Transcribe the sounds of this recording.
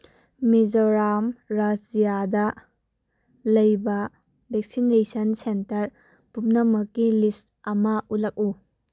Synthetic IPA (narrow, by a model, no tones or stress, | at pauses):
med͡ʒoɾamɾad͡ʒijadɐ | lɐjbɐ | bek̚sinesɐnsentɐɾ | pumnɐmɐkːilist | ɐmɐʔutlɐk̚u